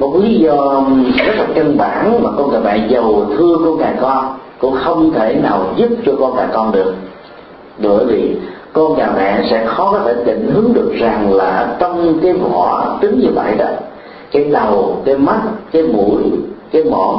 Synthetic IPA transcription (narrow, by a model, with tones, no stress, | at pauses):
mo˨˩t̚kli˨˦zɔ˧kaː˨˦t̪ʰə˨˩t̚kə˧nɓaː˧˩nmaː˨˩kɔ˧nŋaː˨˩mɛ̰˧˨zə˨˩wt̪ʰɨ˧əkɔ˧nŋaː˨˩kɔ˧nkʊ̰˧˥ŋ͡mxə˧wŋ͡mt̪ʰe˧˩naː˨˩wzu˦˥p̚t͡ɕɔ˧kɔ˧nkaː˨˩jkɔ˧nɗɨ˨˩ək̚ | ɓəə˧˩˧jvi˨˩kɔ˧nɲaː˨˩mɛ̰˧˨sɛ̰˧˥xɔ˨˦kɔ˨˦t̪ʰe˧˩t̪ḭ̈˧˨ŋ̟ɦɨ˨˦əŋɗɨ˨˩ək̚za˨˩ŋlaː˨˩t͡ɕɔ˧wŋ͡mkaː˨˦jvɔ̰˧˩˨ə˧˦˩t̪ɨ˨˦ŋɲɨ˧və̰˧˨jɗɔ̰ː˨˦ | kaː˨˦jɗa˨˩wka˨˦jma˦˥t̚kaː˨˦jmu˧˩jkaː˨˦jmɔ̰˧˨